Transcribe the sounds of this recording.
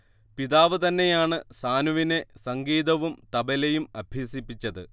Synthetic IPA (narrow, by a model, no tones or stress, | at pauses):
piðaːʋɨt̪ɐnːe̞jaːɳɨsaːnuʋine̞sɐŋɡiːðɐʋumt̪ɐbɐlejumɐbʱjiːsipːit͡ɕːɐðɨ